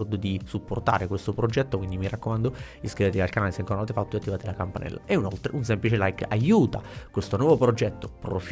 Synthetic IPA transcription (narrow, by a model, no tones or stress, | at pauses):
rd̪od̪isupːort̪a̰ːɾekwest̪opɾod͡ʒɛt̪ːokwind̪imirakːomand̪o | iskɾivet̪eialkanaleseŋkoɾnavat̪efat̪ːoeat̪ːivaːt̪elakampanɛ̰lːa̰ʔeunolt̪ɾeuns̬emplit͡ʃelajkajuːt̪a̰kwest̪onwɔvopɾod͡ʒɛt̪ːopɾo̰f